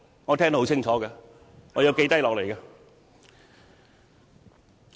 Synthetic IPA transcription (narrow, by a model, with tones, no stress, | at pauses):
ŋɔː˨˧tʰɛ˥ŋo˧˥ho˨˥wt͡sʰɪ˥ŋt͡ʃʰɔː˨˥kɐ˧ | ŋɔː˨˧jɐ˨˧wke˨˧jt̪ɐ˥jlɔː˨k̚le˨˩jkɐ˧